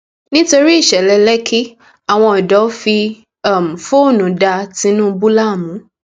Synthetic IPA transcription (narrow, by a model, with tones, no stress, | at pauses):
nĩ˦to˧ɾi˦˨ʃɛ˨lɛ˧lɛ˦kʰi˦ | a˨w̃ɔ̃˧ɔ˨dɔ˨˦fi˧ | a˨m̩˨fo˦˨nũ˨˦da˧tĩ˧˦nũ˦˧bu˦la˦˨mũ˨˦